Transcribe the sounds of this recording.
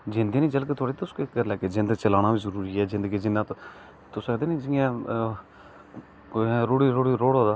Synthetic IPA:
d͡ʒɪ̃nd̪iːnĩːd͡ʒəlkeːt̪ʰʊoːɽeːt̪ːʊskekːəɾlɛːkeːzɪ̃nd̪əɡt͡ʃəlaːɽ̃ãːʋɪt͡ʃzəɾuːɾiːɛːzɪ̃nd̪əɡiːzɪnːãːt̪o | t̪ʊsed̪eːnĩːd͡ʒɪjãː | ɾoːɽiːɾoːɽiːɾoːɽɦoːd̪aː

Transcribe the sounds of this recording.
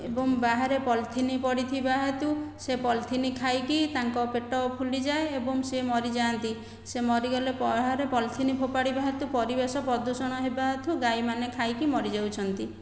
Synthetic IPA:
ebɔŋbaɦaɾepɔlt̪ʰinipɔɽit̪ʰibaɦet̪usepɔlt̪ʰinikʰajkit̪aŋkɔpeʈɔpʰulid͡ʒaeebɔŋsemɔɾid͡ʒaːnt̪i | semɔɾiɡɔlepɔɦaɾepɔlt̪ʰinipʰopaɽibaɦet̪upɔɾibesɔpɾɔd̪usɔɽ̃ɔɦebaɦet̪uɡajmanekʰajkimɔɾid͡ʒawt͡ʃʰɔnt̪i

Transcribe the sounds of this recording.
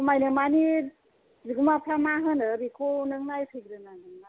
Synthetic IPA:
majnɯmani | ziɡɯmapʰamaɦɯnɯbikʰonɯŋnajpʰiɡɾɯnanɯŋa

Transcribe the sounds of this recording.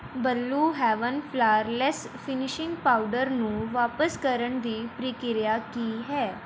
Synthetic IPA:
bəlːuɦɛʋənflaɾlɛs | finiɕiŋɡpauɖəɾnũʋapəskəɾəɳd̪iːpɾikiɾjakiːɦɛ

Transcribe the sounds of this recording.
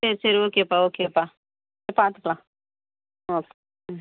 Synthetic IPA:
eɾseɾokepaokepa | epãt̪əkla | ok

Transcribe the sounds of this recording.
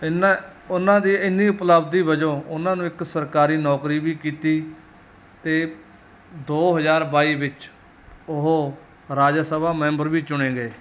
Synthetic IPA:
ɪnaʊnãːd̪iːɪnːiːʊpləbd̪iːbəd͡ʒõːʊnãːnũːɪksəɾkaːɾiːnɔːkɾiːbiːkiːt̪iː | t̪eː | d̪oːɦəzaːɾbaːiːbɪt͡ʃ | ʊɦoː | ɾaːd͡ʒasəbaːmɛ̃ːmbəɾʋiːt͡ʃʊɽ̃ẽːɡeː

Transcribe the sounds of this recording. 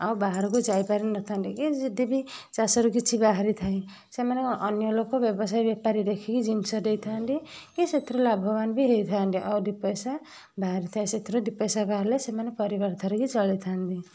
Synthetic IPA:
ʌbaɦaɾkod͡zajpaɾinʌt̪ʰand̪ikid̪ibit͡sasʌɾukit͡sʰibaɦaɾit̪ʰaj̃ | semaneʔʌnjolokːobjʌbʌsajbjapaɾid̪ekʰekid͡zinsʌd̪ejt̪ʰand̪ikiset̪ʰɾolabʱɔbanbiɦejt̪ʰand̪iʔʌd̪ipɔjsa | baɦɾit̪ʰaj̃set̪ʰiɾod̪ipejsabaɾlesemanepʌɾibʌrt̪ʰʌɾukit͡sʌlet̪ʰand̪i

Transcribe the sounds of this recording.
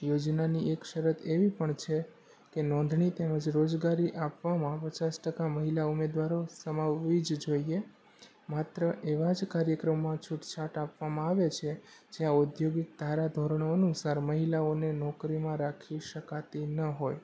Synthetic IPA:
jod͡ʒnaniekʃəɾət̪ʰeʋipəɳt͡ʃʰe | kenɔ̃nd̪ʱɳit̪eməd͡ʒɾod͡ʒɡaɾiʔapʋamãpət͡ʃasʈəkaməɦilaumed̪ʋaɾosəmaʋːid͡ʒd͡ʒoie | mat̪ɾəʔeʋad͡ʒkaɾjəkɾəmːãt͡ʃʰuʈt͡ʃʰaʈapʋamãaʋet͡ʃʰed͡ʒjãud̪joɡik̚d̪ʱaɾad̪ʱoɾɳ̃oənusaɾməɦilaonenɔkɾimãɾakʰiʃəkat̪inəɦoj

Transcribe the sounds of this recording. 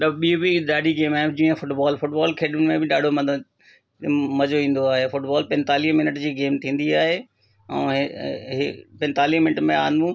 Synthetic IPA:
ɗɓiobiɗaːɖʱiɡeːmaːɦɪd͡ʑĩːə̃fʊʈbaːlfʊʈbaːlkʰeːɗʊnmẽbɪɗaːɖʱomɐ | mɐd͡ʑoĩːn̆d̪oaːɦefʊʈbaːlpɛ̃nt̪aːliːɦmɪnəʈd͡ʑiːɡeːmt̪ʰĩːn̆d̪iaːɦe | ɛ̰̃ːɦ | pɛ̃nt̪aːliːɦmɪnəʈmẽaːɦnd̪ũ

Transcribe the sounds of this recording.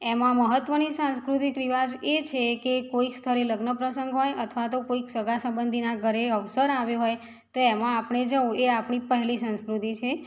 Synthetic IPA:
emãməɦət̪ʋənisãnskɾut̪ikɾiʋad͡ʒet͡ʃʰekekoikst̪ʰəɾeləɡnəpɾəsəŋɡɦojət̪ʰʋat̪okoiksəɡasə̃mbənd̪ʱinaɡʱəɾeəʋsəɾaʋjũɦoj | t̪oemãːpɳ̃ed͡ʒəũeapɳ̃ĩpəɦlisə̃nskɾut̪it͡ʃʰe

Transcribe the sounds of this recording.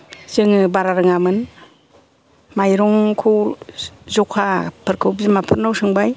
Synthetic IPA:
z̥ɯŋɯbaɾaɾɯŋamɯn | majɾɔŋkʰuw | zɔkʰapʰɯɾkʰɯwbzimapʰɯɾnawsɯŋbaj

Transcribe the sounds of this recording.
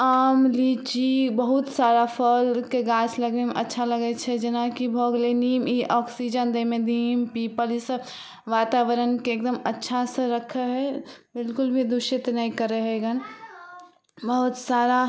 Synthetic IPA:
aːmliːt͡ʃibɐɦʊt̪saːɾapʰəlkeɡãːt͡ʃʰlɐɡemeʔɐtːʃʰalɐɡet͡ʃʰɛd͡ʒɐnakibʱoːɡleniːmiʔɔːksid͡ʒənd̪əmẽd̪ʱiːmpiːpəlɪs | ʋaːt̪aːʋəɾənkeːkd̪əmɐtːʃʰaseɾɐkʰəɦɛbɪlkʊlbʱid̪ʊʃɪt̪nɐĩkəɾəɦeɡən | bəɦʊt̪saːɾa

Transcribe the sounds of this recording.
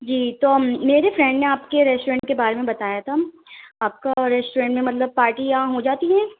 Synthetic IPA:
d͡ʒiːt̪oːmeːɾefɾɛ̃ɳɖnẽaːpkeɾɛsʈoːɾɛ̃ːɳʈkebaːɾemẽbɐt̪aːjat̪ʰa | aːp̚kaɾɛsʈuɾɛ̃ːɳʈmẽmɐt̪ləb̚paːɾʈijɐɦãɦod͡ʒaːt̪iɦɛ̃ː

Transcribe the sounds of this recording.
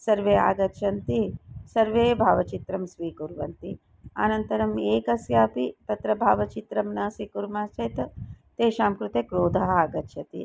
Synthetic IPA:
sɐɾʋeːa̰ːɡɐt̪ʃʰɐnt̪isɐɾʋeːbʱaːʋɐt͡ʃit̪ɾɐmsʋiːkuɾʋɐ̰nt̪i | a̰ːnɐnt̪ɐɾɐmeːkɐsjaːpit̪ɐt̪ɾɐbʱaːʋɐt͡ʃit̪ɾɐmnɐsikuɾmaːt͡ʃɐjt̪ɐt̪eːʃaːmkɾut̪eːkɾoːd̪ʱɐɦɐaːɡɐt̪ʃʰjɐt̪ḭ

